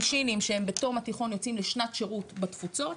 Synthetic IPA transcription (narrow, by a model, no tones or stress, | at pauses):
ʃinimʃeembeto̞ʁmatiχo̞njo̞t͡simleʃnatʃeʁutbat̪fut͡so̞t